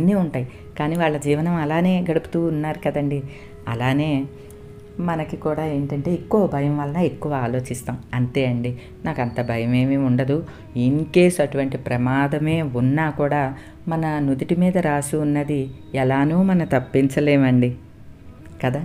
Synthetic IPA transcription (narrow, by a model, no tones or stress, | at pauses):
nːiːuɳʈaːji | kaːniːʋaːɭːɐd͡ʒiːʋɐnɐmɐlaːne̞ːɡɐɽupu̥t̪uːnːaːɾukɐd̪ɐɳɖi | ɐ̰laːne̞ː | mɐnɐkikuːɽaːe̞ːɳʈɐɳʈe̞ːekːuʋɐbʱɐjɐmʋɐlɐnɐekːuʋaaːlo̞ːt͡ʃist̪aːmɐnt̪e̞ːɐɳɖi | naːkɐnt̪ɐbʱɐjɐme̞ːmeːuɳɖɐd̪u | iŋke̞ːsuɐʈuʋɐɳʈipɾɐmaːd̪ɐme̞ːunːaːkuːɽaː | mɐnɐnud̪iʈimiːd̪ɐɾaːsuːnːɐd̪i | ɛlaːnuːmɐnɐt̪ɐpːint͡ʃɐle̞ːmɐɳɖi | kɐd̪aː